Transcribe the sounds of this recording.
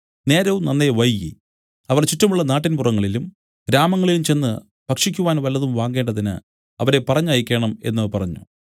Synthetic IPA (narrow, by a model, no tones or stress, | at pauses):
ne̞ːɾɐʋumnɐnːeʋɐjji | ɐʋɐrt͡ɕitːɐmuɭːɐnaːʈːinpurɐŋːɐɭilum | ɾaːmɐŋːɐɭilumt͡ɕe̞nːɨ | pɐkʂikʲːuʋaːnʋɐlːɐðumʋaːŋɡe̞ːɳɖɐðinɨ̰ | ɐʋɐɾe̞pɐrɐɲːjikʲːe̞ːɳɐme̞nːɐpɐrɐɲːṵ